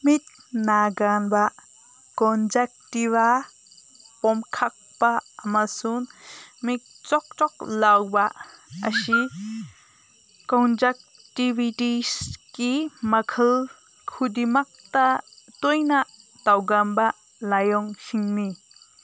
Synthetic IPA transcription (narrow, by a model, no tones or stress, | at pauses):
mit̪̚ | naɡanba | kɔnd͡ʒak̚tiba | pɔmkʰak̚paːmasunmit̚ | t͡ʃɔk̚t͡ʃɔk̚lawbaɐsi | kɔnd͡ʒak̚ | tibitiskimɐkʰəl | kʰudimak̚tatujnatawɡamba | lajɔŋsiŋmi